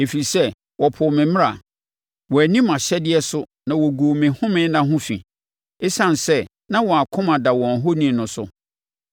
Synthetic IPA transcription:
e˨fi˨sɛ˦ | wɔ˨pʰʊ˨mɪ̃˨mɪ̃˦a˨ | wɔ˨æ˨nĩ˦mã˨ɕɛ˦dɪ˦ɛ˦sʊ˦ | nã˨wɔ˨ɡu˨mɪ̃˨hʊ̃˦mɪ̃˦nã˦ɦʊ̃˦fḭ̃˨ | e˦sã˦n˨sɛ˦ | nã˦wɔ˨a˨kʰʊ̃˦mã˨da˨wɔ̃˨nɦo˦nĩ˦˨nʊ̃˨sʊ̰˨

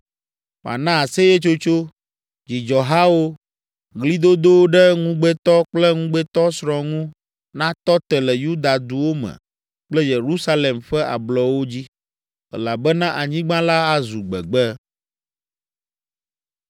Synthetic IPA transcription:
m˨a̰˨nã˦a˨se˦jɛ˦t͡ʃo˦t͡ʃo˦ | d͡ʑi˨d͡ʒɔ˨ɦa˦wo˦ | ɡli˦d̪o˦d̪o˦wo˦ɖɛ˦ŋũ˦ɡ͡bɛ˦t̪ɔ˦k͡plɛ˦ŋũ˦ɡ͡bɛ˦t̪ɔ˦sɾɔ̃˨ŋũ˦ | nã˦t̪ɔ˦t̪ɛ˨lɛ˨ju˦d̪a˨d̪u˨wo˦mɛ̰˨ | k͡plɛ˦je˨ɾu˦sa˦le˨mɸɛ˦ʔa̰˨blɔ˨wo˦d͡ʑi˦ | ɛ̰˨la˨bɛ˦nã˦ʔa˨ɲĩ˦ɡ͡bã˦la˦a˦zu˨ɡ͡bɛ̰˨ɡ͡bɛ˦

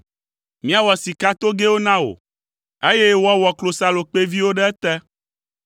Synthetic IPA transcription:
mĩ˦a˨wɔ˨si˨ka˦t̪o˦ɡe˦wo˦nã˦o̰˨ | e˦jɛ˦wa˦wɔ˨klo˨sa˨lo˨k͡pe˦vi˦wo˦ɖɛ˦ɛ˦t̪ɛ˦

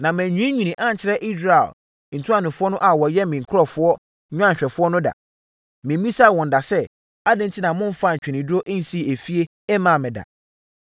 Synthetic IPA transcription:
nã˨mɛ̃˨ɲᶣũ˦ɲᶣĩ˨nĩ˨ʔa˦n˨t͡ɕʰɪ˨ɾɛ˦ʔi˦s̬ɾa˨ḛ˨l | n̩˨tʰu˦a˦nʊ̃˨fʊ˦ɔ˦nʊ̃˦ʔa˨wɔ˨jɛ˦mɪ̃˨ŋ̩˨kʰʊ˦ɔ˦fʊ˦ɔ˦ | ɲᶣʊ̃˦ã˦˨ɲ˨ɕᶣɛ˨fʊ˦ɔ˦nʊ̃˦da̰˨ | mɪ̃˨˦ĩ˦sa˦˨wɔ̃˨n̩˨da˨sɛ˦ | a˦dɪ̃˦n̩˦tʰi˦nã˨mʊ̃˦m˦fa˦˨ɲ̩˨t͡ɕᶣɛ˨nĩ˨dʊ˦o˦ʔn̩˨si˦˨e˨fi˦e˦ | ɛ˦mã˨mɪ̃˨da̰˨

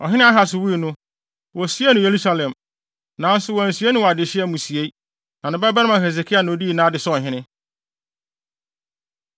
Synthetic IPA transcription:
ɔ˨ɦɪ̃˦nɪ̃˦a˦ɦa˨sʊ˨wi˦i˨nʊ̃˦ | wɔ˨si˦e˦nʊ̃˨je˨ɾu˦sa˦lɛ̃˨m | nã˨n̩˦sʊ˨wɔ˨n˨si˨e˦nʊ̃˦wɔ˨a˨dɪ˨ɕɪ˦ɛ˦mũ˨si˨e˦ | nã˨nɪ̃˨bɛ˦bɛ˦ɾã˨he˨s̬e˨kʰi˦a˨nã˨o˨˦di˦˨nãː˦dɪ˨sɔ˦˨ɦɪ̃˦nɪ̃˦

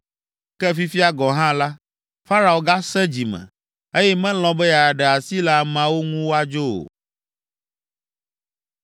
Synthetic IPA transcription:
kɛ˦fi˦fi˦a˦ɡɔ̃˨ɦã˦la˦ | fa˦ɾa˨o˨ɡa˦sɛ̃˦d͡ʑi˨mɛ̰̃˨ | e˦jɛ˦mɛ̃˦l̃ɔ̃˦bɛ˦ja˨ɖɛ˨a˨si˦la˦˨mã˦wo˦ŋũ˦wo˦a˦d͡ʒo˦o̰˨

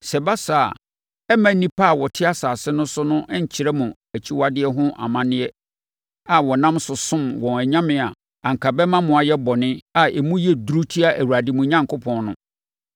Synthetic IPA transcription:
sɛ˨ba˦sa̰˨ | ɛ˦mã˨˦nĩ˦pʰa˦a˨wɔ˨tʰɪ˦a˦saː˨sɪ˦nʊ̃˦sʊ˦nʊ̃˦ʔɲ̩˨t͡ɕʰi˨ɾɛ˦mʊ̃˨ | æ˨t͡ɕʰi˦wa˦dɪ˦ɛ˦ɦʊ̃˦ʔa̰˨mã˦nɪ̃˦ɛ˦ | a˨wɔ˨nã˦msʊ˨sʊ̃˦mwɔ̃˨næ˨ɲã˦mɪ̃˨a˨ | ã˨ŋ̩˨kʰa˨bɛ˦mã˦mʊ̃˨a˨jɛ˦bɔ˨nɪ̃˦a˨ɛ˨mũ˦jɛ˦du˨ɾu˦tʰi˦a˦˨ʔæ˨wu˨ɾa˨di˦mʊ̃˨ɲã˦ŋkʰʊ˦pʰɔ̃˨nnʊ̃˦

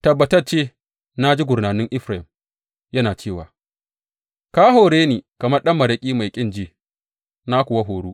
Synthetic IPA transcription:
tɐ˨bːɐ˨tɐ˦rt͡ʃeː˦ | na˦d͡ʒi˦ɡʷʊ˨rnaː˨nɪ˦ŋʔɪ˦ɸɾa˨ɪ˨m | jɐ˦naː˨t͡ʃeː˦˨waː˨ | kaː˦ɦoː˨ɽeː˦niː˨kɐ˨mɐ˦rɗɐ˦mːɐ˨ɾɐ˨kʲʼiː˦ma˨jkʲʼɪ˦nd͡ʒiː˦ | naː˦kʷʊ˨wa˦ɦoː˨ɽuː˦

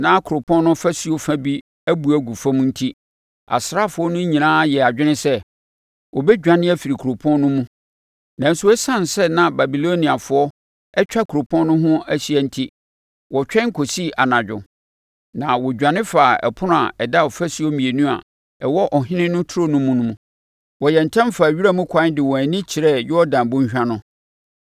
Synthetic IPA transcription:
nã˨˦kʰʊ˨ɾʊ˨pʰɔ̃˦nː˦ʊ̃˦fa˦si˨o˦fã˦bi˦ | æ˦bu˨æ˦ɡu˨fã˦mũ˦n̩˦tʰi˦ | a̰˨sɾa˦˨fʊ˨˦ɔ˦nʊ̃˦ɲĩ˨nãː˦jɛ˨a˨d͡ʑᶣɪ˦nɪ̃˦sɛ˦ | wɔ˨bɛ˦d͡ʑᶣã˨nɪ̃˦ɛ˦fi˨ɾi˨kʰu˨ɾo˨pʰɔ̃˦nːʊ̃˦mũ˦ | nã˨n̩˦sʊ˦ɛ˦sã˦˨n˨sɛ˦nã˨ba˨bi˨lo˦nĩ˨a˨fʊ˨˦ɔ˦ | ɛ˦t͡ɕᶣa˦kʰu˨ɾo˨pʰɔ̃˦nʊ̃˦ɦʊ̃˦æ˦ɕi˦ɛ˨n̩˦tʰi˦ | wɔ˨t͡ɕᶣɛ̃˦ŋ̩˦kʰo˨si˦ʔa˨nã˨d͡ʑᶣʊ̰˨ | nã˨wɔ˨d͡ʑᶣã˨nɪ̃˦fa˨ɛ̰˨pʰʊ˦nʊ̃˦a̰˨ɛ˨da˦ɔ˨fæ˦si˦ɔ˦mĩ˨e˨nũ˦a̰˨ | ɛ˨wɔ˦ʔɔ˨ɦɪ̃˦nɪ̃˦nʊ̃˦tʰu˦ɾo˦nʊ̃˦mũ˦nʊ̃˦mũ˦ | wɔ˨jɛ˨n̩˨tʰɛ̃˦mfa˨ɥi˦ɾa˦mũ˦kʷʰã˨˦n˦dɪ˨wɔ̃˨æ˨nĩ˦t͡ɕʰi˨ɾɛ˦jɪ˦ɔ˦dã˨bʊ̃˦ɲ˦ɕᶣã˦nʊ̃˦

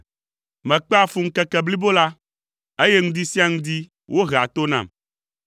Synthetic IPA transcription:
mɛ̃˨k͡pɛ˦a˨fu˦ŋ̩˦kɛ˨kɛ˨bli˦bo˦la˦ | e˦jɛ˦ŋũ˦d̪i˦si˦a˦ŋũ˦d̪i˦ | wo˦ɦe˨a˨t̪o˦nã̰˨m

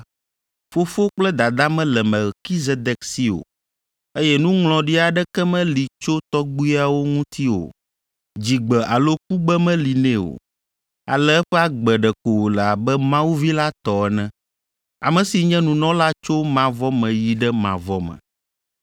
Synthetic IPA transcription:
fo˦fo˦k͡plɛ˦d̪a˨d̪a˦mɛ̃˦lɛ˨mɛ˨lki˦ze˦d̪ɛ˨ksi˦o̰˨ | e˦jɛ˦nũ˦ŋl̃ɔ̃˨ɖi˦a˨ɖɛ˦kɛ˦mɛ̃˦li˨t͡ʃo˦t̪ɔ˦ɡ͡bu˦i˦a˨wo˦ŋũ˦t̪ʰi˦o̰˨ | d͡ʑi˨ɡ͡bɛ˨ʔa˨lo˦k̚u˦ɡ͡bɛ˦mɛ̃˦li˨nɛ̃˦o̰˨ | a̰˨lɛ˦ɛ˦ɸɛ˦a˦ɡ͡bɛ˨ɖɛ˨ko˨wo˨lɛ˨a˨bɛ˦mã˦wu˦vi˦la˦t̪ɔ˨ɛ˦nɛ̃˦ | a̰˨mɛ̃˨si˨ɲɛ̃˦nũ˨nɔ̃˦la˦t͡ʃo˦mã˨vɔ˦mɛ̃˨ji˨ɖɛ˦mã̰˨vɔ˦mɛ̰̃˨

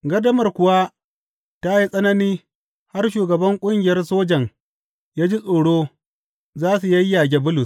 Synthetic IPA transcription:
ɡɐ˦dɐ˦mɐ˨rkʷʊ˨wa˦ | ta˦ji˦sʼɐ˦nɐ˦niː˦ | ha˦rʃ̬uː˨ɡɐ˨bɐ˦ŋkʷʼʊ˦ŋɡʲɪ˨jɐ˦rsoː˦d͡ʒɐ˨ŋ | jaː˦d͡ʒi˦sʼoː˨ɽoː˦ | zaː˦su˨jɐ˦jːa˨ɡʲe˦bʊ˦lʊ˨s

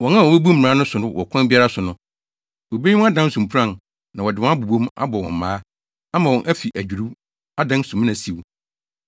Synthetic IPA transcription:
wɔ̃˨nã˦˨wɔ̃˨be˦bu˦m̩˨ãː˨˦nʊ̃˦sʊ˨nʊ̃˦wʔɔ̰˨kʰʷã˦n˦bɪ˦a˦ɾa˦sʊ˨nʊ̃˨ | wo˨be˦i˦ɔ̃˦a˦dã˦n˦sũ˨mpʰɾã˦˨n | nã˨wɔ˨dɪ˨ɔ̃˦a˦bu˨bõ˦ma̰˦bɔ˨wɔ̰̃˨m˨maː˦ | a˦mã˨wɔ̃˨nʔæ˦fi˨ʔæ˨d͡ʑᶣu˨ɾu˦ | a˦dã˦n˦sũ˨m˦nã˨si˨wu˨

